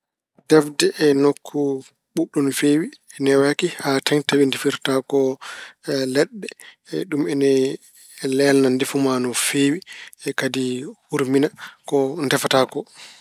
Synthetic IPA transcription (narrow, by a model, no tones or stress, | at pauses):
d̥ɛfdɛʔɛnokʰːu | ɓuɗːunfeːwiɛnɛwakihataɲtawindefiɾtakɔ | lɛɗːɛ | ɗumɛnɛ | lɛlnandefumanɔfeːwiɛkadihuɾminakɔndɛfatakɔ